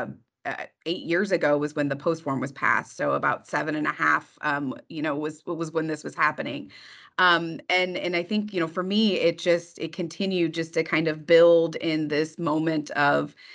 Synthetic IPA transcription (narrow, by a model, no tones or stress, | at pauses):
ʌ̰eɪʔjɪɹzɨɡoʊwʌzwɨ̃nðɨpʰoʊst̚wɔ̃ɹmwʌz̥pʰæ̰stsoʊəbaʊtsɛvɨ̃ñɨ̃nɨhæ̰fʌ̃mjɨñoʊwʌzɪt̚wʌzwə̃nðɪswʌz̥hæpɨnɪ̰̃ŋʌ̃mɨ̃nɨ̃naɪθɪ̃ŋkjɨɾ̃oʊfə˞miɪt̚d̥ʒ̥ʌstɨ̰t̚kʰɨ̃ntʰɪ̃njʉd̚d͡ʒʌstʰɨkʰãɪ̃ndʌvbɪlˠdɪ̃nðɪsmõʊ̃mɨ̃ntʰʌv̥